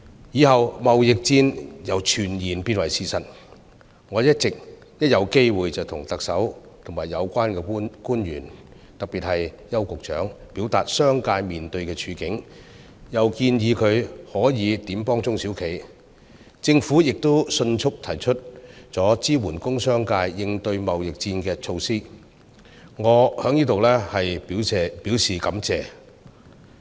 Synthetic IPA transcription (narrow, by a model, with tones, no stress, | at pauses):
jiː˨˧hɐ˨wmɐ˨wjɪ˨k̚t͡siː˧njɐ˨˩wt͡ʃʰyː˨˩njiː˨˩npiː˥t̚wɐ˨jsiː˧sɐ˨˩t̚ | ŋɔː˨˧jɐ˥t̚t͡sɪ˨k̚ | jɐ˥t̚jɐ˨˧wke˥jwuː˨jt͡sɐ˨˩wt̪ʰʊ˨˩ŋt̪ɐ˨k̚sɐ˨˥wt̪ʰʊ˨˩ŋmaː˨˩jːɐ˨˧wkʷaː˥nkɛː˧˥kuː˥njy̰ː˨˩n | t̪ɐ˨k̚piː˨t̚hɐ˨j | jɐ˥wkʊ˨k̚t͡ʃœ̰ː˨˥ŋpiː˨˥wt̪a̰ː˨t̚sœː˥ŋkaː˧jmiː˨nt̪ɵ˧ɥkɛː˧t͡ʃʰyː˨˧˥kɪ˨˥ŋ | jɐ˨wkiː˧njiː˨˧kʰɵ˨˧ɥhɔː˨˥jiː˨˧t̪iː˨˥mpɔː˥ŋt͡sʊ˥ŋsi˨˥wkʰe˨˥j | t͡sɪ˧ŋfu˨˥jɪ˨k̚t̪o˥wsɵ˧nt͡ʃʰʊ˥k̚t̪ʰɐ˨˩jt͡ʃʰɵ˥t̚t͡sɔː˨˥t͡siː˥wuː˨˩nkʊ˥ŋsœː˥ŋkaː˧jːɪ˧ŋt̪ɵ˧ɥmɐ˨wjɪ˨k̚t͡siː˧nkɛː˧t͡sʰo˧wsiː˥ | ŋɔː˨˧˥hœː˨˥ŋniː˥t̪o˨wlɛː˥hɐ˨jpi˨˥wɛ˧piː˨˥wsiː˨kɐ˨˥mt͡sɛː˨˧